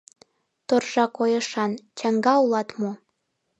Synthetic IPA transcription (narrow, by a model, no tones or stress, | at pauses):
t̪orʒɑkojə̆ʃɑnt͡ɕɑŋɡɑulɑt̪mo